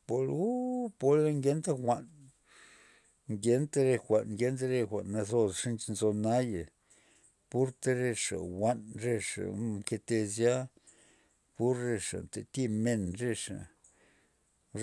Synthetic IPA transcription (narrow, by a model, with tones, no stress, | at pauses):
po˧ɾu˦po˧le˦ŋɡʲe˦nt̪a˦xʷa˨n | ŋɡʲe˦nt̪a˦ɾe˧xʷa˨nŋɡʲe˧˦nt̪a˦ɾe˧xʷa̰˨ʔnːa˧zo˧sʂi˦nt͡ʃnzo˧na˦ja˨ | pu˦ɾt̪e˧ɾe˧ʂa̰˨wa˦nɾe˧ʂa̰˨mke˧t̪e˧zja˦ | pu˦ɾːe˧ʂa̰˨nt̪e˨t̪i˦me˧nɾe˧ʂa̰˨